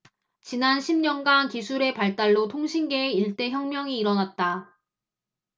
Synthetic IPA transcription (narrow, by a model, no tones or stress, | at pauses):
t͡ɕinanɕʰimɲʌnɡankisʰuɾe̞paɭt͈aɭːotʰoŋɕʰinɡe̞ːiɭt͈e̞çjʌŋmjʌŋiːɾʌnat̚t͈a